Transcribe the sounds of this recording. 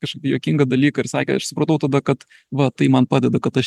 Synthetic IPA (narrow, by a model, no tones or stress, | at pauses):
kɐʃkɐɪpʲjoːkʲɪŋɡɐd̪ɐlʲiːkɐɪɾsɑːkʲɛ̰ɐʃsʊpɾɐt̪ɐʊt̪ɐd̪ɐkɐt̪ | ʋɐt̪ɐɪmɐnpɑːd̪ʲɛd̪ɐkɐt̪ɐʃ